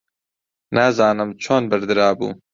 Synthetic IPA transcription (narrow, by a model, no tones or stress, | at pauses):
naːzɑːnɨmt͡ʃʰoːnbɨɾd̪ɨɾɑːbṵː